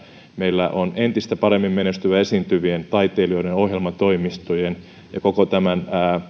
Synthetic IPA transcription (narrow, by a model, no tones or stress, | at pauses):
meilːæʔonent̪ist̪æpɑɾemːimmenest̪yʋæesiːnt̪yʋient̪ɑit̪eːlioiɾenohjelmɑt̪oimist̪ujen | jɑkokot̪æmænæː